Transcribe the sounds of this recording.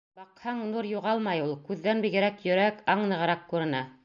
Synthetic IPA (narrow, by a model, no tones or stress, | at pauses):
b̥ɑqhɑɴnuɾjuʁɑlˠmɑjulˠkʉðːænbiɡɘ̆ɾækjɵ̆ɾækɑɴnɤ̆ʁɤ̆ɾɑqkʉɾɘ̆nɑ